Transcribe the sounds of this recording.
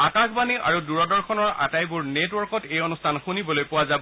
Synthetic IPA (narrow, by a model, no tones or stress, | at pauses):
akakbaniʔa̰ɹuduɹɔdɔɹkʰɔnɔɹa̰tajbuɹnetwɔɹkɔtejɔnustʰanxunibɔlojpʊwazab